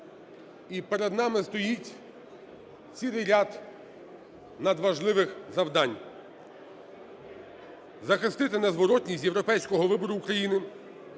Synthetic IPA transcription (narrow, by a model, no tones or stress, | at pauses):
ipeɾed̪nɑmɪst̪ɔjitʲ | t͡sʲilˠɪjɾʲad̪ | nɐd̪ʋɐʒlˠɪʋɪxzɐwd̪ɑnʲ | zɐxɪst̪ɪt̪ɪnɐzʋɔɾɔtʲnʲisʲt̬ʲjewɾɔpɛjsʲkɔɦɔʋɪbɔɾʊːkɾɐjinɪ